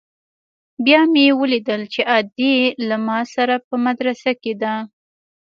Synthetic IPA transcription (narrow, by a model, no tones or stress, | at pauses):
bjɑmjewəlid̪əlt͡ʃeʔɑd̪ilamɑsaɾapəmad̪ɾasaked̪a